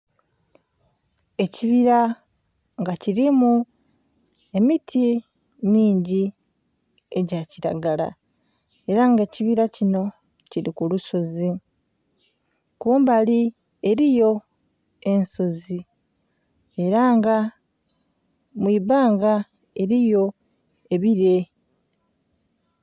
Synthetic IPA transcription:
e̞ciβiɾa | ŋɡaciɾimu | e̞mitʰi | miːɲɟi | e̞ɟaciɾa̰ɡala̰ | e̞ɾaŋɡe̞ːciβiɾacino̞ | ciɾikuluso̞zi | kuːmbali | e̞ɾijo̞ | e̞nso̞zi | e̞ɾaŋɡa | mwiːβaːŋɡa | e̞ɾijo̞ | e̞βiɾe̞

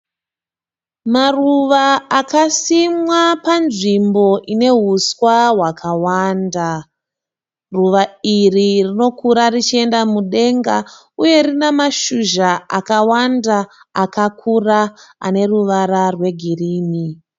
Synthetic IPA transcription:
maruʋaakasimwapanʐimbo̞ʔine̞ɦuswaɦwakʰawaːnda | ruʋairirino̞kuɾarit͡ʃie̞ndamuɗe̞ŋɡa | uje̞rinemaʃuʒaa̰kawanda | akakʰuraa̰ne̞ruʋaɾarwe̞ɡʱiriːni

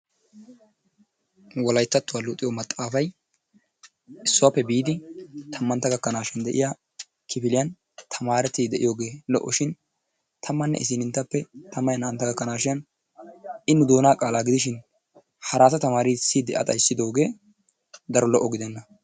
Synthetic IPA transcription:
wɔlɐjt̪ːɐt̪ːʊwalʊt̪ʼːɪjɔmɐt̪ʼːaːfɐj | ɪsːʊwapːɛbiːd̪ɪt̪ʰɐmːɐnt̪ːɐɡɐkːɐnaːʃɪnd̪ɛʔɪ̰ja | kʰɪpɪlɪjɐn | t̪ʰɐmaːɾɛt̪ːɪd̪ɛʔɪjoːɡeːlɔ̰ʔːɔʃɪn | t̪ʰɐmːɐnːɛ̰ʔɪs̬ɪnɪnt̪ːɐpːɛt̪ɐmːɐjɐnɐʔɐnt̪ːɐɡɐkːɐnaːʃɪɐn | ʔɪnːʊd̪o̞ːnaːkʼaːlaːɡɪd̪ɪʃ̬ɪn | hɐɾaːt̪ɐt̪ɐmaːɾiːsid̪ɛʔɐ̰t̪ʼɐjsːɪd̪o̞ːɡe̞ː | d̪ɐɾɔlɔʔːɔɡɪd̪ɛnːɐ

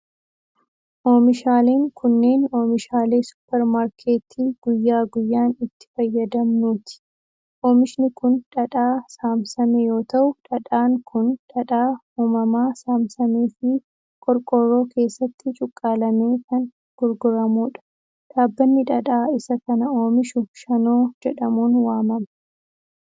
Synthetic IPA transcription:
ʔoːmɪʃaːle̞ːŋkʰʊnːe̞ːnoːmɪʃaːle̞ːsʊ̥pːɛɾmaːɾkʰe̞ːt̪ʰiːɡ̥ʊjːaːɡʊjːaːnɪt̪ːɪ̥fɐjːɐd̪ɐmnuːt̪ɪ̥ | ʔoːmɪʃɪnɪkʊnᶑɐᶑaːsaːmsɐmɛjo̞ːt̪ɐʔʊᶑɐᶑaːŋkʰʊnᶑɐᶑaːhuːmɐmaːsaːmsɐmeːfɪ | kʼɔɾkʼɔrːo̞ːkʰe̞ːsːɐt̪ːɪt͡ʃʼʊkʼːaːlɐmeːkɐn | ɡ̥ʊɾɡʊɾɐmuːᶑɐ̥ | ᶑaːbːɐnːɪᶑɐᶑaːɪsɐkɐnɐo̞ːmɪʃʊʃɐno̞ːd͡ʒɛᶑɐmuːnwaːmɐmɐ̥

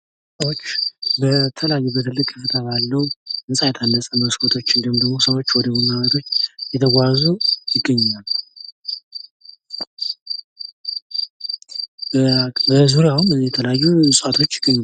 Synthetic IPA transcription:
səwot͡ʃːbət̪ʰələjajːubət̪ʰɨlːɨkʼːɨfɨt̪ʰaβalːəwumɨsʼajt̪ʰanːəsʼəməskʰot̪ʰo̞t͡ʃːɪnd̪əhmd̪əɡmo̞səwo̞t͡ʃːwɔd̪əbunamət̪ʰo̞t͡ʃːjɛt̪ʰəɡʷazujɪɡːəɲːal | bəzuɾjawumɨjɛt̪ʰələjajːusʼuat̪ʰo̞t͡ʃːjɪɡːəɲː

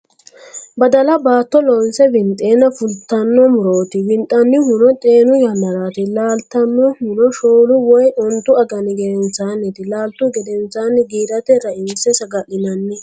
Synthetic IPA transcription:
bɐd̪ɐlɐbaːt̪ːɔlɔjɪsɛbɪnt̪ʼːeːnɐfʊlt̪ːɐnːɔmʊɾoːt̪ɪwɪnt̪ʼːɐnːɪhʊnɔt̪ʼe̞ːnʊjɐnːɐɾaːt̪ɪlaːlt̪ːɐnːɔhʊnɔʃoːlʊwɔjʔɔnt̪ːʊɐɡɐnɪɡɛd̪ɛnt͡sːaːnːɛt̪ɪlaːlt̪ʊɡɛd̪ɛnt͡sːaːnːɪɡiːd̪ɐt̪ɛɾɐɪmsɛsɐɡɐlɪnɐnːɪ

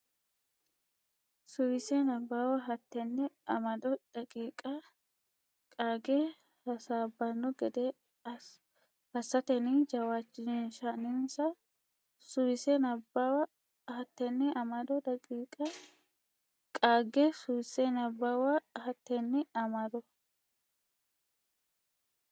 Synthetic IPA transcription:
sʊwɪsenɐbːaːwɐɦɐt̪ːɛnːɛɐmɐd̪ɔd̪̥ɐkʼiːkʼɐ | kʼaːɡɛ | hɐsaːbːɐnːɔɡɛd̪ɛ | hɐsɐt̪ɛnid͡ʒɐwaːt͡ʃːɪnnʃɐnɪnsɐ | sʊwɪsenɐbːawɐ | hɐt̪ːɛnːɛɐmɐd̪ɔd̪ɐkʼiːkʼɐ | kʼaːɡesʊbɪsenɐbːawɐhɐt̪ːɛnːɪɐmɐd̪ɔ

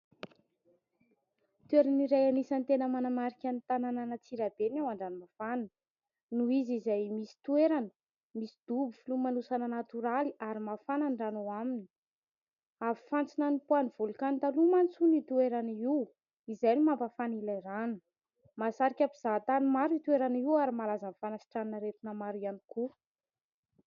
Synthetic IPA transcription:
t̪ueɾaniɾajanisant̪enəmanamaɾikʲanit̪anananət͡siɾabenawaɳɖ͡ʐanimafanə | nuizizajmisi̥t̪ueɾanə̥ | misid̪̥ubufilumanusanənat̪uɾaliaɾimafanaɳɖ͡ʐanoamini̥ | avi̥fant͡sinanipuaniv̥ulukant̪alumant͡sunit̪ueɾaniw | izajnimampafanilajɾanə̥ | masaɾikʲapiz̥at̪animaɾit̪ueɾaniwaɾimalazanfanasi̥ʈ͡ʂannəɾet̪inəmaɾianiku

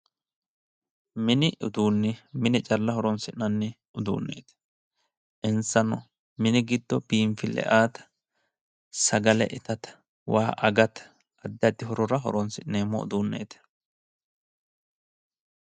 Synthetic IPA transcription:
mɪnɪʔʊd̪uːnːɪmɪnɪt͡ʃʼɐlːɐɦɔɾɔnsɪʔnɐnːɪ | ʊd̪ṵːnːḛːt̪ | ʔɪnsɐnɔ | mɪnɪɡɪd̪ːɔb̥iːmfɪlɛ̰ʔaːt̪ɐ̥ | sɐɡɐlɛ̰ʔɪt̪ɐt̪ | waːʔɐɡɐt̪ | ɐd̪ːɐd̪ɪɦɔɾɔɾɐɦɔ̰ɾɔnsɪʔneːmːɔ̰ʊ̰d̪uːnːḛːt̪

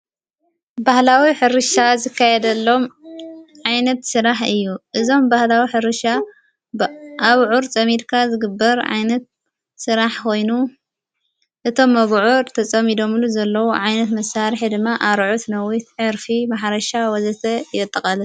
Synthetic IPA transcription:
bahlawiħɨɾɨʃazɨkʰːajɛd̪ɐlːo̞m | ʕajnɐt̪sɨɾaħɨjːuʔɨzo̞mbahlawiħɨɾɨʃa | ʔaβʕuɾt͡sʼɐmid̪kʰazɨɡɨbːɐɾʕa̰jnɐt̪̚ | sɨɾaħkʰo̞jnu | ʔɨt̪ʰo̞mːɐβʕuɾt̪ʰɐt͡sʼɐmid̪o̞mɨluzɐlːɐwuʕajnɐt̪mɐsaɾħid̪ɨmːaʔaɾʕut̪nɐwit̪ʕɨɾfimaħɾɐʃawɔzɐt̪ʰɐjɛt̪ʼːɐkʼɐlɐ

